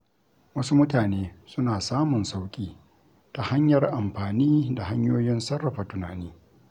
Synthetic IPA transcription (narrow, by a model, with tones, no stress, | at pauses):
wɐ˦su˦mʊ˦taː˨neː˦sʊ˦naː˨saː˦mʊ˨nsa˦wkʲʼiː˦ | ta˨ha˦ɲjɐ˨rʔa˨mɸaː˨niː˦da˨ha˦ɲjoː˦jɪ˦nsɐ˦rːɐ˨ɸa˨tʊ˨naː˨niː˦